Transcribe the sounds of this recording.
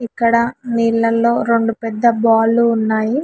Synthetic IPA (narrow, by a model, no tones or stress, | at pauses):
ikːɐɽɐniːlːɐlːo̞ːɾe̞ɳɖupɛd̪ːɐbaːluːnːaːji